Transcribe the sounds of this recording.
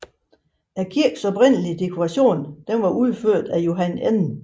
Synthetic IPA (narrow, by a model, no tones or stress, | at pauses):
ækʰiɐ̰ɡ̥sɒ̽bʁen̰əlid̥e̝kʰoʁɑ̈ɕo̝̰ːnd̥enʋɑ̈ʔuð̞ˠføɐ̰d̥æjo̝ɦænenn̩